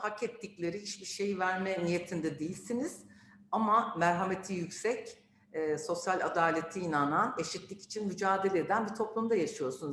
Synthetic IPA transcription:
hakɛt̪ʰːiclʲe̞ɾihiʃbiʃe̞jivæɾmɛnije̞t̪ʰind̪ɛd̪ejilʲsiniz̥ | amamæɾɦame̞t̪ʰijycsɛcː | so̞sjalʲad̪aːlʲe̞t̪ʰiːnanane̞ʃit̪lʲici̥t͡ʃʰinmyd͡ʒaːd̪e̞lʲeɾd̪ænbit̪ʰo̞plˠumd̪ajaʃɯjo̞ɾsunuz

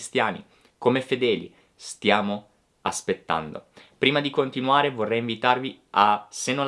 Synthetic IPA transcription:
st̪jaːnḭ | komefed̪ɛːlḭ | st̪jaːmo | aspet̪ːa̰nd̪o̰pɾiːmad̪ikont̪inuaːɾevorːɛjiɱvit̪arvi | asenːo

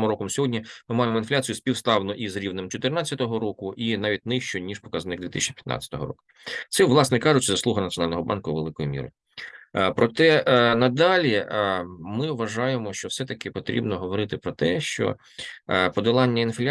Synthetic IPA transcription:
mɔɾɔkɔmsʲɔɦɔdʲnʲimɪmɑjɪmɔinflʲat͡sʲijʊsʲpʲiwst̪ɑwnʊʔizɾʲiʋnɪmt͡ʃɔt̪ɪrnat͡sʲːɐt̪ɔɦɔɾɔkʊʔinɑʋʲit̚ʲnɪʃt͡ʃɔnʲiʂpɔ̥kɐznɪkɡd̪ʲʋʲit̪ɪ̰ʃt͡ʃi̥pʲjɐt̪ɑ̰t͡sʲɐ̥t̪ɔɦɔ̰ɾɔ̰kʊ̥ | t̪sɛʋlˠɑsnɛkɑʐʊt͡ʃɐzɐsˠuɦɐnɐtt͡sʲjɔnɑlʲnɔɦɔbɑ̰nkʊʋelˠɪkɔjimʲḭɾɪ̰ | pɾɔt̪ɛnɐd̪ɑlʲi | mɪʋɐʒɑjemɔʃt͡ʃɔwsɛt̪ɐkɪpɔt̪ɾʲḭbnɔɦɔʋɔɾɪt̪ɪpɾɔt̪ɛʃt͡ʃɔ̰ | pɔd̪ɪlˠɑnʲːɐinflʲ

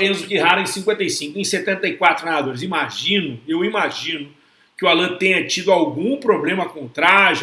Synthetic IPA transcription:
ẽzʊkiɦaɾɐ̃ẽj̃sĩkwẽnt̪ɐjsĩŋkʊẽj̃set̪ẽnt̪ɐikwat̪ɾʊaad̪oɾɪzimaʒĩnʊewimaʒĩnʊ | kɪʊalɐ̃t̪ẽɲɐt͡ʃid̪ʊawɡũpɾoblẽmɐkõt̪ɾaɾʊ

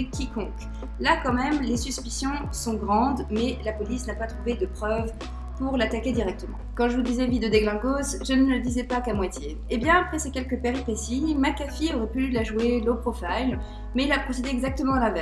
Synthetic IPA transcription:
kʲikɔ̃k | lakɑ̃mɛmlesyspisjɔ̃ | sɔ̃ɡʁɑ̃d̪mɛlapɔlisnapat̪χuved̪əpχœv | puʁlat̪akʲed̪iʁɛk̚t̪əmɑ̃kɑ̃ʒəvud̪izɛvid̪əd̪eɡlɛ̃ɡosʒənəəd̪izɛpakamwat̪je | ebjɛ̃apχɛsekʲɛlkəpeʁipesimakafiɔʁɛpylylaʒuelopχɔfajl | mɛilapχɔsed̪eɛɡzak̚t̪əmɑ̃lãvɛ

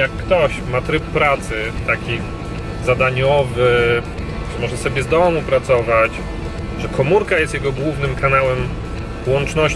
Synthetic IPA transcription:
jakːt̪ɔɕmat̪ɾɘppɾat̪sɘt̪akʲi | zad̪aɲɔvɘ | ʐɨmɔʐɛsɔbʲjɛzd̪ɔmupɾat̪sɔvat͡ɕ | ʐɛkʰɔmuɾkajɛst̪jɛɡɔɡwuvnɘmkʰanawɛm | wɔnt͡ʂnɔɕ

